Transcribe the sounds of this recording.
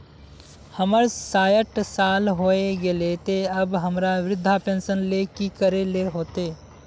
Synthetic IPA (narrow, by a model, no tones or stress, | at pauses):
həməɾsaːjəʈsaːlɦoːeɡelet̪eɐbɦɐmɾaʋɾɪd̪ʱːapẽːnsənleːkikəɾeleɦoːt̪eː